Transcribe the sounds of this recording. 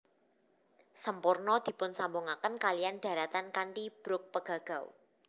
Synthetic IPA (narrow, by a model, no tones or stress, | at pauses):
səmpʊrnɔd̪̥i̤pʊnsambʊŋakənkalijanɖ̥ä̤ɾat̪ankaɳʈib̥ɾʊk̚pəɡ̥a̤ɡ̥a̤w